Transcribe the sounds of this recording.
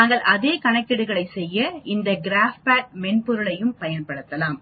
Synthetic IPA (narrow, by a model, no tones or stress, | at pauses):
aːŋɡɐɭʔɐðeːkɐɳɐkːɪɽɯɣɐɭɐɪsɛjːɐɪnd̪ɐɡɪɾaːfpaːʈ̚mɛnpʊɾɯɭɐjɯmpɐjɐnpɐɽɯt̪ːɐlaːm